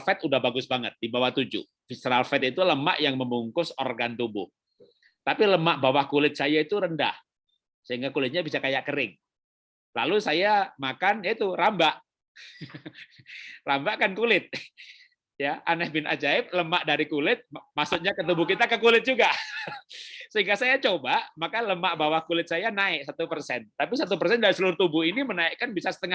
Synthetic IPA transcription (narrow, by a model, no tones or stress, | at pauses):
fɛt̪udahbaɡʊsbaŋət̪̚dibawaht̪ud͡ʒʊ̰ | fisɾalfɛt̪̚it̪uləma̰ʔjaŋməmuŋkʊsorɡant̪ubʊ̰h | t̪apiləmaʔbawahkulɪt̪̚sajait̪uɾənda̰h | səɦiŋɡakulɪt̪̚ɲabisakajaʔkəɾɪŋ | lalusajamakanit̪uɾambaʔ | rambakankulɪt̪̚ | jaʔanɛhbɪnʔa̰d͡ʒaɪp̚ləmaʔdaɾikulɪt̪̚masʊt̪̚ɲakət̪̬ubʊkit̪akəkulɪt̪̚d͡ʒuɡa | səɦiŋɡasajat͡ʃobaʔmakaləmaʔbawahkulɪt̪̚sajanaɪʔsat̪upərsɛnt̪apisat̪̬upərsɛndaɾisəlʊɾt̪ubʊinimənaɪʔkanbisasə̥t̪əŋa